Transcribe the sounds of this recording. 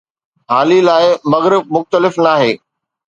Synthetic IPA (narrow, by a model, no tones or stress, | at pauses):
ɦaːlilaːɪmɐɣəɾmʊxt̪əlɪfnaːɦeː